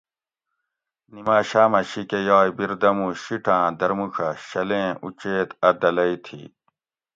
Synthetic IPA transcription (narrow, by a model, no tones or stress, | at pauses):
nimaːɕaːmɐɕikejaːjbiɾd̪ɐmũɕiʈʰãːd̪ɐɾmukʰɐɕɐlẽːut͡ɕeːt̪ɐd̪ɐlɐit̪ʰḭ